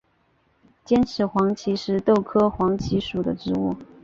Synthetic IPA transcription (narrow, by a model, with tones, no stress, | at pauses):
t͡ɕjɛ˥nʈ͡ʂʰɻ̩˧˥xwɑ˧˥ŋt͡ɕʰi˧˥ʂɻ̩˥˧t̪o˥˩ʊkʰɤ˥xwɑ˧˥ŋt͡ɕʰi˧˥ʂu˨˩d̪ə˦ʈ͡ʂɻ̩˧˥ṵ˥˩